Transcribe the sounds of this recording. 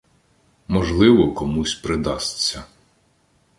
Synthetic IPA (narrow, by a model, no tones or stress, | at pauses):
mɔʒlˠɪʋɔkɔmusʲpɾɪd̪ɑst͡sʲːɐ